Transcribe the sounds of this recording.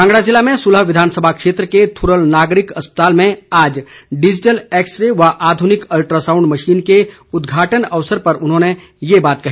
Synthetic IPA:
ãːŋɡɽazɪlːamẽsʊləɦʋɪd̪ʱaːnsəbʱakʃeːt̪ɾəket̪ʰʊɾəlnaːɡɾɪkɐspə̥t̪aːlmẽaːd͡ʒɖɪd͡ʒɪʈəlɛːksɾeʋaʔaːd̪ʱʊnɪkɐlʈɾasãːʊ̃ɳɖmɐʃiːnke | ʊd̪ɡʱaːʈənɐʋsəɾpɐɾʊnɦõːne | jebaːt̪̚kɐɦiː

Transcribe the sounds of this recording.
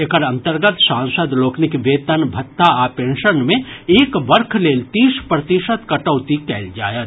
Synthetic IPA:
ekəɾɐ̃nt̪əɾɡət̪sãːnsəd̪loːknɪkʋeːt̪ənbʱɐt̪ːaapẽːnʃənmẽeːkbɐɾkʰleːlt̪iːspɾɐt̪ɪʃət̪kɐʈəːt̪ikɛːld͡ʒa̰ːjət̪

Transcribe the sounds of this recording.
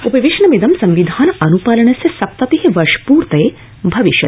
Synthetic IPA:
upɐʋiʂɳɐmid̪ɐmsɐ̃mʋid̪ʱaːnɐnupaːlɐɳ̃ɐsesɐp̚t̪ɐt̪iɦiʋɐʃpuːɾt̪ɐe | bʱɐʋiʃjɐ

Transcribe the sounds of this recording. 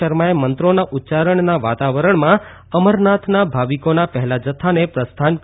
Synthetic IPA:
əɾmaemənt̪ɾonaʔut̪ːt͡ʃaɾəɳnaʋat̪aʋəɾəɳmã | əməɾnat̪ʰnabʱaʋikonapəɦɛlad͡ʒət̪ʰːanepɾəst̪ʰank

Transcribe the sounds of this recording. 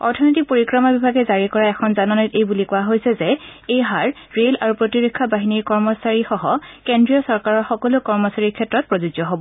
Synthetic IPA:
ɔ̰ɹtʰɔnotik̚poɹikɹɔmabibʱaɡɛzaɹikɔɹaɛkʰɔnzanɔnɔjtejbulikʊwaɦojsɛzɛejɦaɹ | ɹela̰ɹupɹotiɹekʰːabaɦiniɹkɔɹmɔsaɹixɔɦɔkendɹiɔsɔɹkaɹɔɹxɔkɔlʊkɔɹmɔsaɹikʰɛtɹɔt̚pɹɔzud͡ʒɔɦɔbɔ

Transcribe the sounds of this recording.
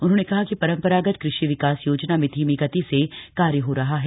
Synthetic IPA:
ʊnɦõːnekɐɦakipɐɾə̃mpəɾaːɡət̪kɾɪʃiʋɪkaːsjoːd͡ʒnamɪt̪ʰimiɡət̪isekaːɾjəɦoɾɐɦaɦɛː

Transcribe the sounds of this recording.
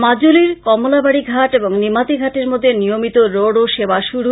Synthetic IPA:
mad͡ʑoliɾkɔmolabaɽiɡʱaʈeboŋnimat̪iɡʱaʈeɾmod̪ʱːenijomit̪oɾoɽoʃebaʃuɽu

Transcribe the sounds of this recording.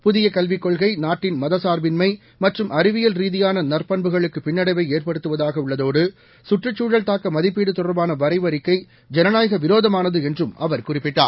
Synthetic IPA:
pʊðɪjɐkɐlʋɪkːɔɭɣɐɪnaːʈːɪnmɐðɐsaːɾbɪnmɐɪ | mɐʈrɯmʔɐɾɪʋɪjɐlɾiːðɪjaːnɐnɐrpɐɳbɯɣɐɭɯkːɯpɪnːɐɽɐɪʋɐɪeːrpɐɽɯt̪ːɯʋɐðaːɣɐʊɭːɐðoːɽɯ | sʊʈrɯt͡ʃːuːɽɐlt̪aːkːɐmɐðɪpːiːɽɯt̪ːʊrɐbaːnɐʋɐɾɐɪʋɐɾɪkːɐɪ | d͡ʒɛnɐnaːjɐɣɐʋɪɾoːðɐmaːnɐðɯɛndrɯmɐʋɐɾkʊrɪpːɪʈːa̰ːɾ

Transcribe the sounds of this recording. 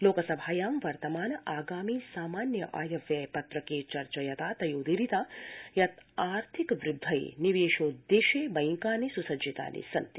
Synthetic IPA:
loːkɐsɐbʱaːjaːmʋɐɾt̪ɐmaːnɐʔaːɡaːmiːsaːmaːnjɐʔa̰ːjɐʋjɐpɐt̪ɾɐkeːt͡ʃɐɾt͡ʃɐjɐt̪aːt̪ɐjoːd̪iɾit̪aːjɐt̪aːɾt̪ʰikʋɾud̪ʱːɐjḛniʋeːʃoːd̪eːʃeːbɐjŋkaːnisusɐd͡ʒit̪a̰ːnḭsɐnt̪i

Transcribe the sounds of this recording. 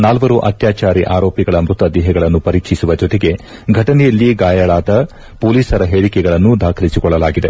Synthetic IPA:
naːlʋɐɾuʔɐ̰t̪jaːt͡ʃaːɾiʔaːɾoːpjɐɡɐɭɐmɾut̪ɐd̪ɛɦɛɡɐɭɐnːupɐɾiːkʂisuʋɐd͡ʒɔt̪eɡe̞ | ɡʱɐʈɐnɛjɐlːiɡaːjɐɭaːd̪ɐ | poːliːsɐɾɐɦeːɭikɛɡɐɭɐnːud̪aːkʰɐlisikɔɭːɐlaːɡid̪e

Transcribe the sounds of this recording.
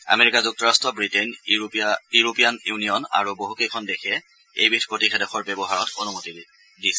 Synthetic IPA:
a̰meɹikazuk̚tɔɹastʰɔbɹiten | juɹopijanjunijɔna̰ɹuboɦukejkʰɔndekʰɛ | ejbitʰpɹotixʰɛdɔxʰɔɹbɛbɔɦaɹɔtonumoti | disɛ

